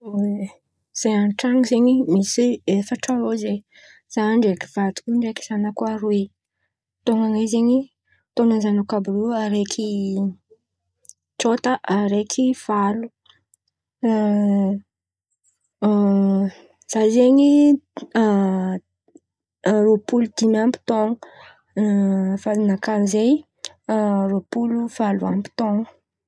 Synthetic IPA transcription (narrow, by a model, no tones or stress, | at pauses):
we | z̥eanʈ͡ʂaŋizeɲimisiefəʈ͡ʂaloze | z̥aɳɖ͡ʐeki̥v̥at̪u̥kuɳɖ͡ʐeki̥z̥anəkwaɾui | t̪oŋaŋazeɲi | t̪onəzanakabuluaɾekʰi | ʈ͡ʂot̪əʔaɾekʰiv̥alu | z̥azeɲi | ropulud̪inampi̥t̪oŋə | fanakanizej | ropuluv̥aluampi̥t̪oŋə